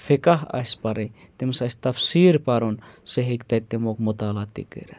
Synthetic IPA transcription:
fekaɦɐ̰sʲpaɾi | t̪emsɐsʲt̪ɐfsiːɾpaɾunseɦekt̪ɐt̪ːemokmot̪aːlat̪ḭkɨ̰ɾe

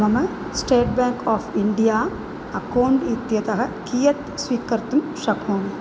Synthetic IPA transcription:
mɐmɐ | sʈeːʈ̚baːŋkaːfʰiɳɖijaː | ɐkɐːwɳʈit̪jɐt̪ɐɦɐkiːjɐt̪sʋiːkɐɾt̪umʃɐkʰoːmi

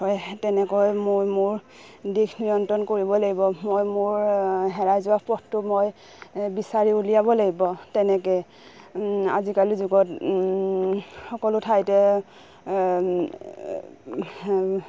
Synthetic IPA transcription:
ɔjtɛnɛkɔjmojmʊɹ | dikʰnijɔntɹɔnkoɹibɔlaɡibɔmojmʊɹɦɛɹajzʊwapɔtʊmoj | bisaɹiulijabɔlaɡibɔtɛnɛkɛ | a̰zikalizuɡɔt | xɔkɔlʊtʰajtɛ

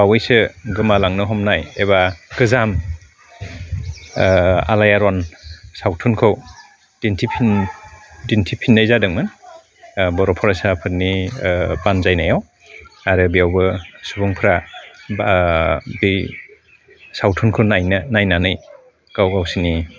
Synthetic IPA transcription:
bawɯjsɯɡɯmalaŋnɯɦɔmnajeβaɡɯzam | a̰lajaɾɔnsawtʰunkʰɯw | d̥intʰipʰin | dintʰipʰinːajzadɯŋmɯn | bɔɾɔpʰɔɾasapʰɯt̚ni | banzajnajaw | aɾɯbijawbɯsubɔŋpʰɯɾa | bi | sawtʰunkʰɯwnajnanajnanɯj | ɡawɡawsini

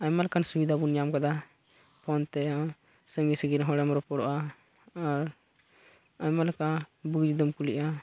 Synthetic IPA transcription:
ajmalɛkansubid̪ʱabunijamkad̪a | pʰɔnt̪ɛ | səŋisəɡiɾɦɔɽɛmɾɔpɔɽɔʔa | aɾ | ajmalɛkabuɡd͡ʒd̪əmkuliʔa

